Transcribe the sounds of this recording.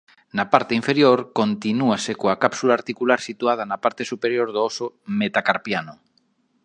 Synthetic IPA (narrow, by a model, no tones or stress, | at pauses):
napaɾt̪eiɱfeɾjoɾkont̪inuasekoakapsulaːɾt̪ikulaɾsit̪uað̞anapaɾt̪esupeɾjoɾðoosomet̪akaɾpjano